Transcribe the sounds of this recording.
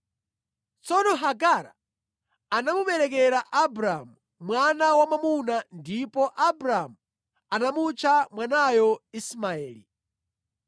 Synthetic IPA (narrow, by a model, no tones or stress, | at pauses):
t͡sɔnɔɦaɡaɾa̰ː | namuɓɛɾɛkɛɾaʔabɾamu | mwanawamamunandipɔʔabɾamu | anamut͡ʃʰamwanajɔismaɛːli